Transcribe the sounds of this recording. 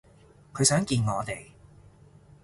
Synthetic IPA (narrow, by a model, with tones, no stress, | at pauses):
kʰɵ˨˧ɥsœː˨˥ŋkiː˧nŋɔː˨˧t̪e˨j